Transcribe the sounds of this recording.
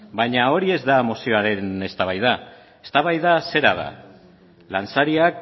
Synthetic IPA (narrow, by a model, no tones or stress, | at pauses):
bajɲao̞ɾie̞zd̪aemosio̞aɾe̞ne̞st̪aβajða | est̪aβajðase̞ɾa̰ða̰ | lant͡saɾiak̚